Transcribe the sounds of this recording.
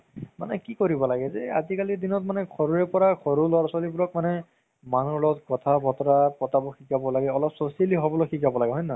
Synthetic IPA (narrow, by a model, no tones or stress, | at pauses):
ma̰nɛkikoɹibɔlaɡɛzɛa̰zikalidinɔt̚manɛkʰɔɹuɹɛpɔɹakʰɔɹulɔɹswalibuɹɔk̚manɛ | manulɔtkɔtʰabʱɔtɔɹapɔtabɔxʰikabɔlaɡɛɔlɔpsɔsieliɦobɔloxʰikabɔlaɡɛɦɔjna